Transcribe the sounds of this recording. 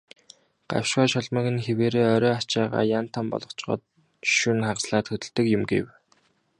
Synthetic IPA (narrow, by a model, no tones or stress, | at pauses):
ɢ̥a̰w̥ʃwaːʃɔɮmə̆kɘ̆nxeweːɾeːœɾɔːat͡ɕaːʁa̰ːjan̥t̪ʰampɔ̰ɮɞ̆t͡ɕɢɔ̰ːt̪ | ʃunχaʁsɮaːt̪xɵt̪ɵ̆ɮt̪ɘ̆kjʊmɡḛw